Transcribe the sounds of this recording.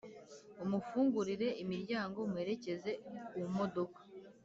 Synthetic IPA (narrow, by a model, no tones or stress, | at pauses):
umufuːŋɡuɾiɾe̞imiɾɟaːŋɡo̞mwe̞ːɾe̞ce̞ze̞uumo̞do̞kḁ